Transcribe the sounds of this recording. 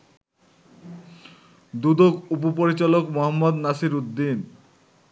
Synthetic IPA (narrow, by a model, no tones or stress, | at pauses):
d̪ud̪okupopoɾit͡ɕalokmoɦamːod̪nasiɾud̪ːin